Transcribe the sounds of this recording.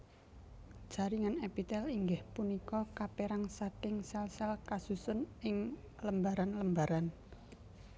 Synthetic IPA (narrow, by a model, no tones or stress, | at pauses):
d̥ʒ̥a̤ɾiŋanɛpit̪ɛliŋɡɪhpunikɔkapeɾaŋsat̪ɪŋsɛlsɛlkasusʊnɪŋ | ləmbaɾanləmbaɾan